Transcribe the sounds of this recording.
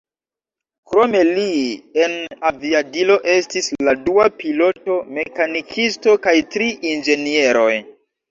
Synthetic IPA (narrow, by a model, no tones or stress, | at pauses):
kɾo̞me̞lienaviadilo̞ʔe̞stisladuapilo̞to̞me̞kanikʰisto̞kajtɾiʔind͡ʒe̞nie̞ɾo̞j